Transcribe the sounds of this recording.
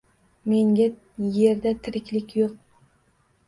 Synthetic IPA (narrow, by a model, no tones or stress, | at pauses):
me̞ŋɡʲa | je̞ɾd̪at̪ʰɪɾɪkʲlɪkʲjoq̚